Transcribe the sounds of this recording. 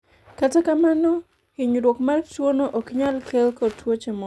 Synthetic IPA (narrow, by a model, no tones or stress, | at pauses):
katakamanɔ | kɪɲɾwokmartwonoʔokɪɲalkelkɔtwot͡ʃemɔ